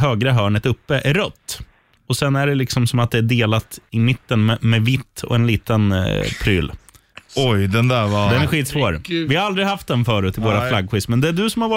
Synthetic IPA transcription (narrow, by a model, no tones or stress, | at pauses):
ɦøːɡɾəɦœːɳət̪ɵpːəʔæɾɾœt̪ː | ɔsɛnːæɖɛlɪksɔmsɔmat̪̚d̪ɛæɖeːlat̪ɪmɪt̪ːənmɛmɛvɪt̪ːɔ̰ɛnliːt̪ənpʰɾy̰ːl | ɔjd̪ɛnd̪ævɑd̪ɛnæɾɧiːt̪svoːɾvɪhaɾald̪ɾɪɦaft̪̚d̪ɛnfœːɾʉːt̪ɪvoːɾaflaɡɧɪst̪mɛnd̪ɛæɖɵsɔmhaɾva